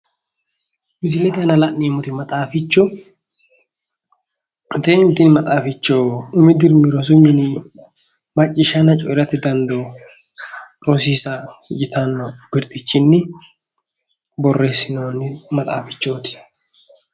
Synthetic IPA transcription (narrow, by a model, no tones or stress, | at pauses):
mɪs̬ɪlɛt̪ɪɐnɐlɐʔeːmʊt̪ɪmɐt̪ʼaːfɪt͡ʃːʊ | t̪eːɪnt̪ɪnmɐt̪ʼaːfɪt͡ʃːoːʊmɪd̪ɪɾmiɾɔs̬ʊmɪn | mɐt͡ʃʼːɪʃɐnɐt͡ʃʼɔʔɪɾɐt̪ːɪd̪ɐnd̪oː | ɾɔsiːsɐd͡ʒɪt̪ɐnːɔbɪɾt̪ʼɪt͡ʃːɪnːɪ | bɔrːe̞ːsːɪnoːnːɪmɐt̪ʼa̰ːfɪt͡ʃːoːt̪ɪ̥